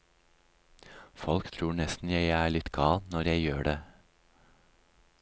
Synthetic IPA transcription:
fɔlkt̪ʰɾuːɳɛst̪n̩jæɪæːɭɪt̪ɡɑːlnɔɾjæɪjøːɖeː

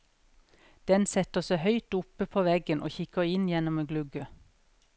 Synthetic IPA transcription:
d̪̥ɛnsɛt̪əsəhœʏt̪ʊpəpʰoːʋɛɡənʔo̰ːçɪkəɪnjɛnɔmeːɡlʉɡə

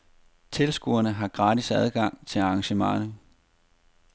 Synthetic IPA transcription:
t͡sʰe̝lsɡ̥uɐnəɦɑ̈ɡ̥ʁɑːdisæð̞ˠɡ̥ɑ̈ŋ̰t͡sʰe̝ɑ̈ːŋɕəmɑ̈ŋɐnə

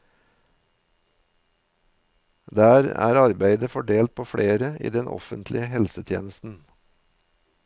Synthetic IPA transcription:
d̪æːɾæ̰ːɾɑɾbæɪd̪əfɔɖeːlt̪̚pʰoːfɽʔeːɾəḭːd̪ɛnʔɔ̰fənt̪ʰlɪəhɛlsət̪ʰjḛːnəst̪n̩

